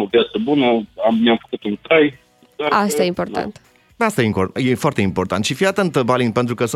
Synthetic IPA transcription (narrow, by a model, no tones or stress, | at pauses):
ovjat̪səbunəamnʲamfə̥kut̪uŋkaj | d̪aast̪ajeimpo̞rt̪a̰nt̪ | ast̪ajeimpjefoart̪eimpo̞rt̪ant̪ʃifiat̪ənt̪əbalinpent̪ɾukəs